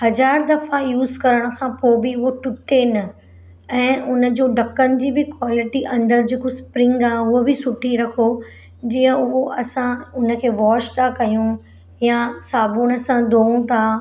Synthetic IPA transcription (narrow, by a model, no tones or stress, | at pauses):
hɐzaːɾd̪ɐfajuːzkɐɾəɽ̃̆kʰãːpoːbɪʊɦoʈʊʈenɐ | ɛ̃ːʔʊnə̆d͡ʑoːɖɐkːənɪ̆d͡ʑiːbɪkwaːlɪʈiʔɐ̃nd̪əɾd͡ʑeːkospɾɪ̃ŋɡaːɦʊɦobɪsʊʈʰiɾɐkʰo | d͡ʑiːə̃ʊɦoʔɐsãʊnə̆kʰeːʋɔːʃt̪ʰakɐjũ | jasaːbuñəsãd̪oːũt̪ʰa